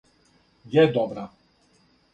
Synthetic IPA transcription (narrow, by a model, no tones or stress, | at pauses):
jɛd̪ɔbɾa